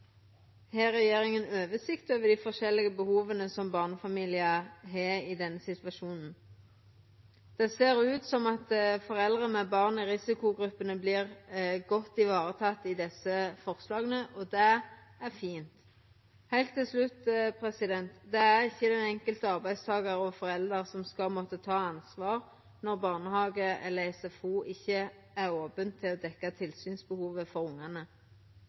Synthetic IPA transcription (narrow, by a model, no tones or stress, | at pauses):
hæːʁːɛjeːʁɪŋənøːʋəsɪkt̪øːʋəd̪ifɔʁʃɛlːɪɡəbəhuːʋənəsɔmbɑʁnəfɑmiːlɪəɦeɪd̪ɛnːəsɪt̪ʋɑʃuːnn̩ | d̪̥ɛseːʁʉːt̪sɔmɑt̪fɔʁɛld̪ʁəmɛbɑʁnɪʁɪsɪkʊɡɾʉpːənəbliːʁɡɔt̪ːɪʋɑːɾət̪ʰɑt̪ːɪd̪ɛsːəfɔʁslɑːɡənəʔɔd̪ɛæʁfiːnt̪ | hæɪlt̪ʰːɪlslʉt̪pʰʁɛsɪd̪ɛnt̪d̪ɛæʁɪçːəd̪ɛnɛŋkəlt̪əɑʁbæɪd̪st̪ʰɑːɡəʁɔfɔʁɛld̪əʁsɔmskɑlmɔt̪ːət̪ʰɑːɑnsʋɑːʁ | nɔʁbɑʁnəhɑːɡəɛ̰ləɛsɛfuːʔɪçːə | æʁoːpənt̪ʰɪlɔd̪ɛkːɑt̪ʰɪlsyːnsbəhuːʋəfɔʁʊŋːɑnə